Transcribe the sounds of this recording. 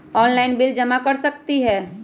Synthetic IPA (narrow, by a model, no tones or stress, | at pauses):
ɔːnlaɪnbɪld͡ʒəmakəɾsəkt̪iɦɛː